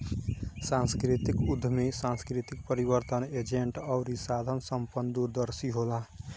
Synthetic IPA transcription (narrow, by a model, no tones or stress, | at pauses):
sãnskɾit̪ikud̪ʱːəmesãnskɾit̪ik̚pəɾibəɾt̪əned͡ʒeɳʈɔʊɾisad̪ʱənsəmpənd̪uɾd̪əɾsiɦola